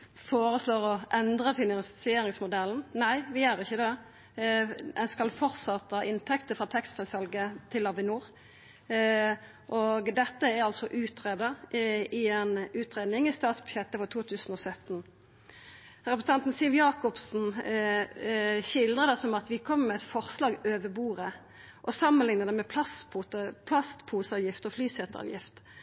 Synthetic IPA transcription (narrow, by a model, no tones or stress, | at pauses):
foːɾəsloːɾɔʔɛnd̪ɾəfɪnɑnssɪeːɾɪŋsmʊd̪ɛln̩næɪʋɪæɾɪçːəd̪ɛ | ɛnskɑlfɔɾt̪sɑt̪ːəɑʔɪnt̪ʰɛkt̪əfɾɑːt̪ʰɛkst̪fɛsɑlɡət̪ʰɪlːɑʋɪnuːɾ | ʔɔɡd̪ɛt̪ːəæɾɑlsɔʔʉːt̪ʁeːd̪əɾɪenʉːt̪ʁeːd̪nɪŋɪst̪ɑːt̪sbʉ̥ɕjɛt̪ːəfɔʁt̪ʰuːt̪ʰʉːsən̩ɔsœt̪n̩ | ɾɛpɾs̩ɛnt̪n̩sɪlʋjɑːkɔpsn̩ | ɕɪld̪ɾəd̪ɛsɔmɑt̪ʋɪkʰɔmːmɛɛt̪fɔʁslɑːɡøːʋəbuːʁə | ʔɔsɑmːənlɪŋnəd̪ɛmɛpʰlɑsput̪əpʰlɑst̪pʰuːsɑːʋjɪft̪ɔflyːsɛt̪əɑ̰ːʋjɪ̰ft̪